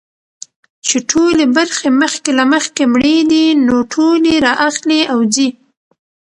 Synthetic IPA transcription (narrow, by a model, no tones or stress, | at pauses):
t͡ʃeʈʰolebaɾxeməxkelaməxkemɽed̪inoʈʰoleɾɑʔaxliawzi